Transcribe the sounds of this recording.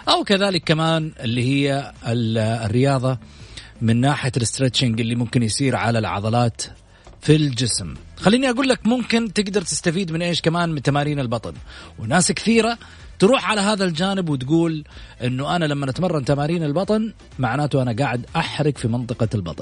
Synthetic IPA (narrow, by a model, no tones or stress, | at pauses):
ʔawkaðaːlɪkːamaːnʔɪlːihɪjːa | rːɪjɑːðˤɑmɪnːaːħalɪst̪ɾet̪t͡ʃaŋɡɪlːimʊmkɪnjsiːɾʕa̰lalʕɑ̰ðˤɑlaːt̪ | fild͡ʒɪsmxalːiːniʔaɡuːlːakmʊmkɪnt̪ɪɡd̪ɑɾˤt̪ɪ̥st̪afiːd̪mɪnʔeːʃkamaːnmɪnt̪amaːɾiːnɪlbɑt̪ˤɑnwnaːskθiːɾa | t̪ɾuːħʕalaɦaːðald͡ʒaːnɪbwɪt̪ɡuːlʔɪnːuʔanalamːanʔat̪mɑrˤːɑnt̪amaːɾiːnɪlbɑt̪ˤɑn | maʕnaːt̪uʔanaɡaːʕɪd̪ʔaħɾɪɡfimɑnt̪ˤɨqɑlbɑ̰t̪ˤnn